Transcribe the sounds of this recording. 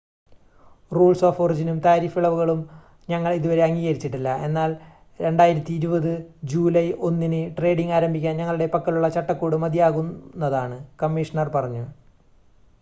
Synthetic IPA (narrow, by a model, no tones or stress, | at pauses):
ruːɭso̞ːfo̞rid͡ʑinumt̪aːɾiːfiɭɐʋuɣɐɭum | ɲɐŋːɐɭiðuʋɐɾe̞ɐŋːiːɣɐɾit͡ɕːiʈːilːɐe̞nːaːl | ɾe̞ɳɖaːjiɾɐt̪ːiːɾubɐðɨd͡ʑuːlɐjo̞nːinɨʈre̞ːɖiŋɡaːɾɐmbʱikʲːaːnɲɐŋːɐɭuɽe̞pɐkːɐluɭːɐt͡ɕɐʈːɐkːuːɽɨmɐd̪ijaːɣunːɐðaːɳɨkɐmːiʂɐɳɐrpɐrɐɲːu